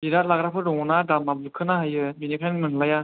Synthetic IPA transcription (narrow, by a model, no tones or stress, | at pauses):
biɾaɾlaɡɾapʰɯɾɔŋɔnadamablɯkʰɯnaɦajɯbinikʰajnmɯnlaja